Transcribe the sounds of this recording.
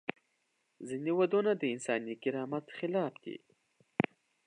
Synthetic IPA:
zinewad̪onad̪əɪnsɑːnikɪɾɑmat̪xɪlɑfd̪̥ḭ

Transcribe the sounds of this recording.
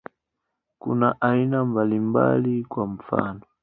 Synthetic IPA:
kṵnaʔainambalimba̰likwaɱ̩fa̰ːnɔ

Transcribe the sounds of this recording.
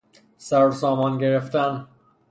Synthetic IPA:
sæɾsɒːmɒnɡeɾeft̪æn

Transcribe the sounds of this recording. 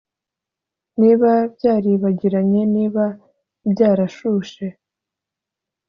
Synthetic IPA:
niːβabɟaːɾiβaɟiɾaɲe̞niːβa | bɟaːɾaʃuːʃe̞

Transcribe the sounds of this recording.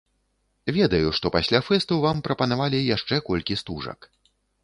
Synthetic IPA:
vʲɛd̪ɐjuʂt̪ɔpasʲlʲafɛst̪ɐwvampɾɐpɐnavalʲijaʂt͡ʂɛkɔlʲkʲist̪uʐɐ̰k

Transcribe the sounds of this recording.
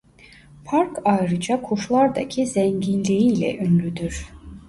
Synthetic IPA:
pʰaɾkʰajɾɯd͡ʒakʰuʃlˠaɾd̪acʰizɛɲɟinlʲiilʲɛ̰ʔynlʲyd̪yɾ̥

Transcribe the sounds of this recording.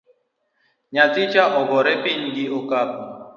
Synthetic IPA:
ɲatit͡ʃaʔɔɣɔɾɛpiɲ̩ɡiɔkapɔ

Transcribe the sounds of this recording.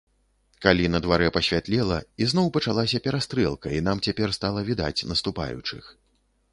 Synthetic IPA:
kalʲinɐd̪vaɾɛpɐsʲvʲat̪lʲɛlˠɐiznɔwpɐt͡ʂalˠasʲɐpʲɛɾast̪ɾɛlˠkɐin̪amt͡sʲapʲɛrst̪alˠɐvʲid̪a̰t͡sʲnɐst̪upa̰jṵt͡ʂɨ̰x

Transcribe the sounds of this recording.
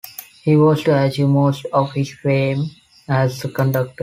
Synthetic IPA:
hiːʋɔːzʈuæd͡ʒumoːsʈɔːʋhɪz̥fɾẽːm | æzəkə̃ɳɖʌk̚ʈəɾ

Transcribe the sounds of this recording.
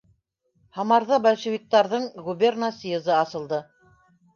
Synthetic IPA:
hɑmɑɾðɑbælʲʃĕvʲik̚t̪ːɑɾðɤɴɡubʲernasezɤɑsɤ̆lˠd̪ɤ

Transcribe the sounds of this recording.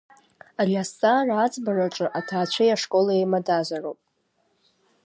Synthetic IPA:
arʲastʼarat͡sʼbaraʈ͡ʂʼɨʔatʰaːt͡ɕʷʰajaʂkʼo̞laemadaʒʷarowpʼ

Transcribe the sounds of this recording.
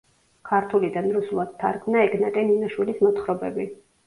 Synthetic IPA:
kʰaɾt̪ʰulid̪anɾusulˠad̪̥̚t̪ʰːa̰ɾɡmnaɛɡnat̪ʼɛninaʃwilismɔt̪χɾɔbɛbi

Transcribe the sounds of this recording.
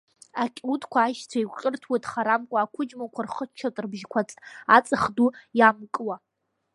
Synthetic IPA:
akʲʼutʼkʷʰaːʃt͡sʷʰaiqʲʼɪrtʰwajtʼχaɾamkʷʼaːkʷʰʊd͡ʒmakʷʰarχət͡ʃʰatʼrbʒkʷʰat͡sʼat͡sʼaχdujamkʼwa

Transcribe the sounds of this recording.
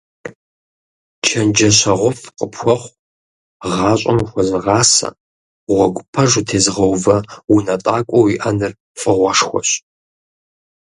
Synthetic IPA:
t͡ʃʰɐnd͡ʒɐɕɐʁʷʊfqəpʰxʷɔχʷ | ʁɑːɕʷʼɐmxʷɔzɨʁɑːsɐ̰ | ʁʷɔɡʷʊpʰɐʐutʰeːzɨʁɐwvɐwʊnɐtʼaːkʷʼɔwiʔɐnɨr | fʼəʁʷɔʂxʷɔ̰ɕ

